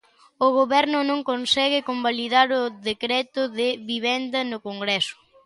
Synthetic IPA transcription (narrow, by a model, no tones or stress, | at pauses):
ʊɣ̞oβɛɾnʊnõŋkonsɛɣɪkombaliðaɾʊðekɾɛt̪ʊðɪβiβɛnd̪ɐnʊkoŋɡɾɛsʊ̥